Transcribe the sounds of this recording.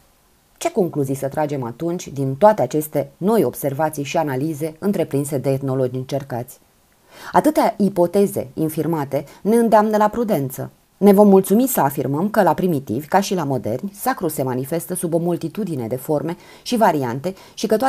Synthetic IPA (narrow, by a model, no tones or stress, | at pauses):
t͡ʃe̞ko̞ŋkluzijsət̪ɾad͡ʒe̞mat̪unt͡ʃʲd̪int̪oat̪eat͡ʃe̞st̪e̞no̞jo̞̰b̥se̞rvat̪sijʃianalize̞ɨnt̪ɾe̞pɾinse̞d̪e̞ːt̪no̞lo̞d͡ʒɨnt͡ʃe̞rkat̪sʲ | at̪ɨt̪eaipo̞t̪e̞ze̞̰infirmat̪e̞ne̞ɨnd̪eamnəlapɾud̪e̞nt̪sə̰ | ne̞vo̞mːult̪sumisəafirməmkəlapɾimit̪ḭvʲkaʃilamo̞d̪e̞̰rnʲsakɾuse̞manife̞st̪əsubo̞mult̪it̪ud̪ine̞̰d̪e̞fo̞rme̞ | ʃivaɾiant̪e̞ | ʃikət̪oa